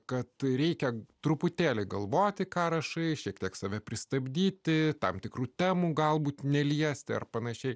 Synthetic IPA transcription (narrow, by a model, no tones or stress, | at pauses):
kɐt̪ɾʲɛɪkʲɛt̪ɾʊpʊt̪ʲeːlʲɪɡɐlˠʋoːt̪ʲɪkɑːɾɐʃɐɪʃʲiɛkt̪ʲiɛksɐʋʲɛpʲɾʲɪst̪ɐbʲd̪ʲiːt̪ʲɪt̪ɐmt̪ʲɪkɾuːt̪ʲɛmuɡɐlˠbuːt̪nʲɛlʲiɛsʲt̪ʲɪɐ̰rpɐnɐʃʲɛɪ